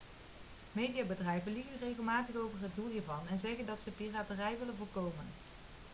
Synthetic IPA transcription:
mejdijaːbədrɛjvənliɣərejɣəlˠmaːtəχowvəɹɦəd̚dulˠɦiːɹvɑnɛnzɛɣəndɑtsəpiraːtərɛjʋɪlənvoʊːlkowmən

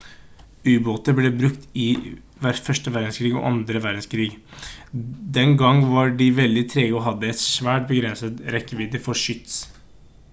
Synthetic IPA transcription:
ʉːboːt̪əbleːbɾʉkt̪ɪ | ʋæfœʂʈəʋæɾd̪n̩skʰɾiːɡɔ̰ʔɑnd̪ɾəʋæɾd̪n̩skʰɾiːɡ | d̪ɛnɡɑŋːʋɑɖɪʋɛld̪ɪt̪ʰɾeːɡɔɦɑd̪ːəɛt̪sʋæːʈ̚bəɡɾɛnsət̪ɾɛkːəʋiːd̪əfɔʂʏt̪s

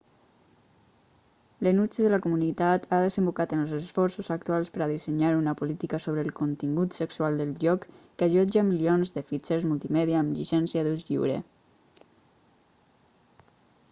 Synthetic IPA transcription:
lənut͡ʃiðələkumunit̪at̪aðəzəmbukat̪ənlˠzəsfɔɾsuzak̚t̪ualˠspəɾaðisəɲaɾunəpulit̪ikəsoβ̞ɾəːlˠkunt̪iŋɡut̪səksualˠd̪əlˠʒɔkː | aʒɔd͡ʒamilionzðəfit͡ʃeɾzmulˠt̪imɛðiaːmʎisɛnsiəðuzʎḭwɾḛ

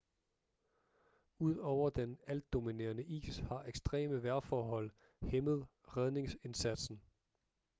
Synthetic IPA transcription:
uð̞̰ˠɒʊ̰ɐd̥enæld̥ːo̝mine̝̰ːɐnəʔḭːshɑ̈ʔeɡ̥sd̥ʁɛ̰ːməʋæɐfɒːɦɒ̽l̰ | heməð̞̩ˠ | ʁɛð̞ˠne̝ŋse̝nsæd̥sn̩

